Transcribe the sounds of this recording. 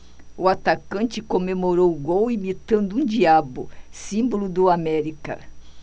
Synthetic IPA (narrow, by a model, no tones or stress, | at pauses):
ʊat̪akɐ̃nt͡ʃɪkomemoɾowɡowimit̪ɐ̃nd̪ʊũd͡ʒiabʊ̰sĩmbolʊd̪ʊamɛɾikɐ̰